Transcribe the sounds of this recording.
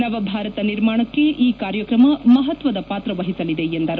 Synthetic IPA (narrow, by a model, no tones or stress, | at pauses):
nɐʋɐbʱaːɾɐt̪ɐniɾmaːɳɐkːe̞ʔiːkaːɾjɐkɾɐmɐmɐɦɐt̪ʋɐd̪ɐpaːt̪ɾɐʋɐɦisɐlid̪e̞end̪ɐɾ